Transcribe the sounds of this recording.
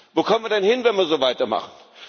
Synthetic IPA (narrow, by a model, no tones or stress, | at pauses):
voːkʰɔmənviːɐdɛnhɪnvɛnviːɐzoːvaɪtɐma̰χn̩